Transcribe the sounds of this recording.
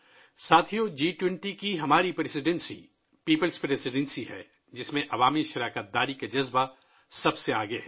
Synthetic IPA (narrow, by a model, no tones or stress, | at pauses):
saːt̪ʰiod͡ʒiːʈwɛ̃ɳʈikiɦɐmaːɾipɾesɪɖɛ̃nsḭ | piːpəlspɾesɪɖɛ̃nsiɦɛ̰ː | d͡ʒɪsmẽʔɐʋaːmiʃɐɾaːkət̪̚d̪aːɾikad͡ʒɐzba | sɐbseaːɡeɛ